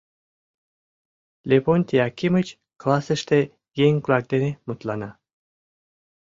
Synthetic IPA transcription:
lʲeponʲt̪ʲiakʲimɨt͡ʃ | klasəʂt̪e | jeŋklak̚d̪enemut̪lana

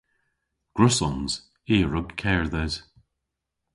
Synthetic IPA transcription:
ɡ̥ɹʊsɔmz̥ | iːɹʊɡkʰɛːɹðɛz̥

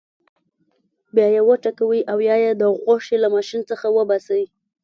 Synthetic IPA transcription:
bjɑjewəʈakawiʔawjɑjed̪əɣoʃelamɑʃint͡səxawəbasawi

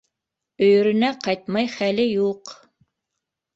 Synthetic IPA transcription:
ɵ̆jɵ̆ɾɵ̆næqɑjt̪mɑjχælɘjuq

